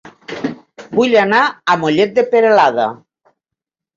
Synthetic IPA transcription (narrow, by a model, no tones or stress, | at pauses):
buʎanaːmoʎet̪̚d̪epeɾelaða̰